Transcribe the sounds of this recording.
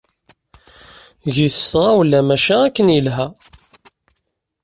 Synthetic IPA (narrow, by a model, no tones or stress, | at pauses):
ʝiθəsʁawlːæmæʃæækːənjəlɦæ